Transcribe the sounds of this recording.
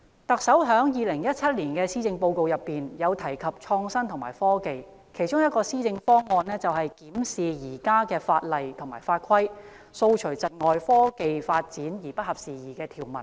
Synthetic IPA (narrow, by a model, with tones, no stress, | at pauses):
t̪ɐ˨k̚sɐ˨˥wɦœː˨˥ŋjiː˨˧lɪ˨˩ŋjɐ˥t̚t͡sʰɐ˥t̚liː˨˩nkɛː˧siː˥t͡sɪ˧ŋpo˧wko˧wjɐ˨pːiː˨njɐ˨˧wt̪ʰɐ˨˩jkʰɐ˨p̚t͡ʃʰɔː˧ŋsɐ˥nt̪ʰʊ˨˩maː˨˩jfɔː˥ke˨jkʰe˨˩jt͡ʃʊ˥ŋjɐ˥t̚kɔː˧siː˥t͡sɪ˧ŋfɔː˥ŋɔː˧nɛː˥t͡sɐ˨whɐ˨jkiː˨˥msiː˨jiː˨˩kaː˥kɛː˧faː˧t̚lɐ˨jt̪ʰʊ˨˩ŋmaː˨˩jfaː˧t̚kʷʰɐ˥j | so˧wt͡ʃʰɵ˨˩ɥt͡sɐ˨t̚ŋɔː˨jfɔː˥ke˨jfaː˧t̚t͡siː˨˥njiː˨˩pɐ˥t̚hɐ˨p̚siː˨˩jiː˨kɛː˧t̪ʰiː˨˩wmɐ˨˩n